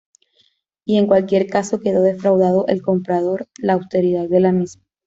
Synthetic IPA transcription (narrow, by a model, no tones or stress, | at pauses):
ie̞ŋkwalkje̞ɾkaso̞ke̞ðo̞ðe̞fɾawðað̞o̞ʔe̞lko̞mpɾað̞o̞ɾlaːwst̪e̞ɾiðaðːe̞lamizma